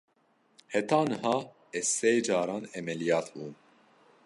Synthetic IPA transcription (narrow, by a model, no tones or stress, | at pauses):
hɛt̪ɑːnɨɦɑː | ɛsejd͡ʒɑːɾɑːnɛmɛlijɑːt̪ʰbuːn